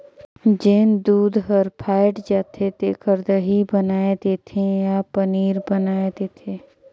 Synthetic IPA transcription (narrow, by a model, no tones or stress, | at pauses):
d͡ʒeːnd̪uːd̪ɦəɾpʰaːɪʈd͡ʒaːt̪ʰet̪ekəɾd̪əɦibənaːed̪eːt̪ʰẽjapəniːɾbənaːed̪eːt̪ʰeː